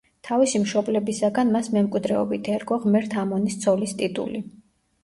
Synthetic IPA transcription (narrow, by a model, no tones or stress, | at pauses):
t̪ʰavisimʃɔblɛbisaɡanmasmɛmkʼwid̪ɾɛɔbit̪ʰɛɾɡɔʁmɛɾt̪ʰamɔnist̪sʰɔlist̪ʼit̪ʼṵli